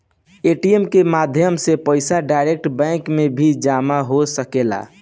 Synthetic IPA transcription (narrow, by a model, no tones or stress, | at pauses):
eːʈijemkemaːd̪ʱjəmsepəɪsaɖaːɪɾek̚ʈbɛ̃ːŋkmẽbʱid͡ʒaːmaɦosəkela̰ː